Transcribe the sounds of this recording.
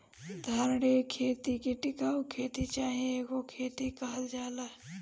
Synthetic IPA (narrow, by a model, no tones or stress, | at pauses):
d̪ʱaːɾɽekʰeːt̪ikeʈɪkaːwkʰeːt̪it͡ʃaːɦiekokʰeːt̪ikaɦəld͡ʒaːla